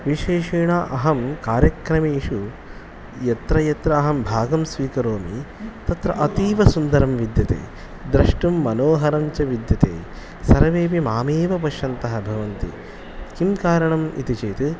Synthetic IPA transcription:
ʋiʃeːʃeːɳaʔɐɦɐmkaːɾjɐkɾɐmeːʃu | jɐt̪ɾɐjɐt̪ɾɐːɦɐmbʱaːɡɐmsʋiːkɐɾoːmi | t̪ɐt̪ɾɐ̰ʔɐt̪iːʋɐsund̪ɐɾɐmʋid̪jɐt̪ḛː | d̪ɾɐʂʈumːɐnoːɦɐɾɐɲt͡ʃɐʋid̪jɐt̪ḛː | sɐɾɐʋeːpimaːmeːʋɐpɐʃɐnt̪ɐɦɐbʱɐʋɐnt̪ḭ | kimkaːɾɐɳɐmḭt̪it͡ʃeːt̪u

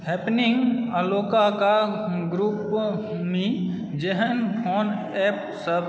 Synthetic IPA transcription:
ɦɛpniŋɡəloːkakaɡɾup | mẽ | d͡ʒeɦənpʰon | ɛp | səb

